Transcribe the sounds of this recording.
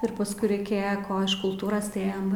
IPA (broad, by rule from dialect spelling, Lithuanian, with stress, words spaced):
ɪr pɐsˈkʊɪ rʲɛɪˈkʲeːjɛ ˈkoː ɪʃ kʊlˠˈtuːroːs tɐɪ ˈeːjɛm